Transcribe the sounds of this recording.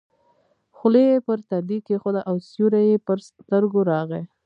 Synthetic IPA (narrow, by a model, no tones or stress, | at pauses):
xʊlejepəɾt̪ad̪ikexod̪aʔawsjuɾajepəɾst̪əɾɡoɾɑɣe